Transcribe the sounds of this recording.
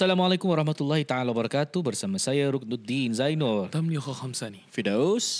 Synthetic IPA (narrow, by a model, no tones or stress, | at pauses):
salamalajkʊmwaɾɑhmat̪ulːahit̪aʕalawbəɾɑkat̪ubərsamasajaɾʊk̚nud̪inzajnɔrt̪amniɔxɔxamsanifidos